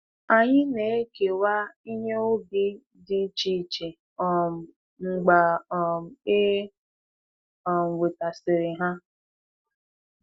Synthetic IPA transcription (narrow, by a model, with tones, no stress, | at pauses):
a˨ɲɪ˦ne˨˦ke˨wa˦i˦ɲe˦o˦ɡɪ˦ | dɪ˦t͡ʃi˦˨t͡ʃe˨ | ɔ˨m˨ | ŋ͡m̩˨ɡ͡ba˨ | e˦˨ | m̩˨we˨ta˨sɪ˨ɾɪ˨ɦa˦